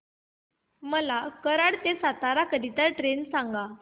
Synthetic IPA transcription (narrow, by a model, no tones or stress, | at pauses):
məlakəɾaɽt̪esat̪aɾakəd̪it̪əɾʈɾensaŋɡa